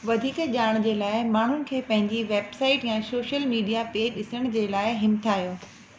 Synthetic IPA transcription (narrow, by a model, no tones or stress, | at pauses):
ʋɐd̪ʱiːkʄaːɽ̃d͡ʑeːlaːɪmaːɳ̤ʊnɪ̆kʰeːpɐ̃ɦɪ̃ɲd͡ʑiʋeːbsaːɪʈjãːsoːʃəlmiːɖijapeːɗɪsəɽ̃d͡ʑeːlaːɪɦɪmt̪ʰaːɦijoː